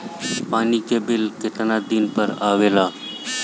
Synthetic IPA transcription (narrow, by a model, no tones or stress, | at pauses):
paːnikebɪlket̪nad̪inpəɾaʋela